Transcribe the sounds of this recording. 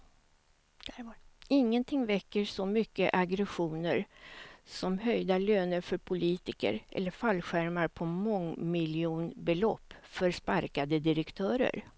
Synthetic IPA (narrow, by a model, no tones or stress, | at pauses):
ɪŋːənt̪ʰɪŋːvɛkːəɾsɔmʏkːəʔaɡɾɛɧuːnəɾ | sɔmɦœjd̪aløːnəɾfœɾpʰʊliːt̪ɪkə̰ɾʔɛ̰lːəɾfalːɧæɾmaɾpʰɔmɔŋːmɪlɪuːnbɛlɔpːfœɾspaɾkad̪əd̪ɪɾɛkt̪ʰœːɾə̰ɾ